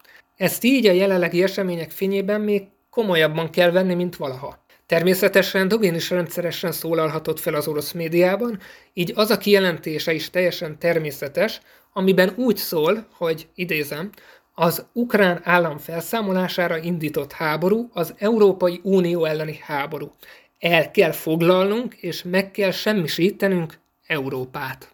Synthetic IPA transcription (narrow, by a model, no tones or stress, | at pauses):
ɛst̪iːɟɒjɛlɛlːɛɡiɛʃɛmeːɲɛkfeːɲeːbɛmːeːkːo̞mo̞jɒbːɒŋkɛlvɛnːimint̪ʋɒlɒɦɒ | t̪ɛrmeːsɛt̪ɛʃɛnd̪oɡiniʃrɛnt̪sɛɾɛʃɛnsoːlɒlɦɒt̪o̞t̪fɛlɒzo̞ɾo̞smeːd̪ijaːbɒn | iːɟɒzɒkijɛlɛnt̪eːʃɛiʃt̪ɛjːɛʃɛnt̪ɛrmeːsɛt̪ɛʃ | ɒmibɛnuːcsoːlho̞ɟid̪eːzɛm | ɒzukraːnaːlːɒɱfɛlsaːmo̞laːʃaːɾɒind̪iːt̪o̞t̪haːbo̞ɾuɒzɛuɾoːpɒjiʔuːnijoːɛlːɛnihaːbo̞ɾu | ɛlkɛlfo̞ɡlɒlnuŋkeːʃmɛkːɛlʃɛmːiʃit̪ɛnyŋk | ɛuɾoːpaːt̪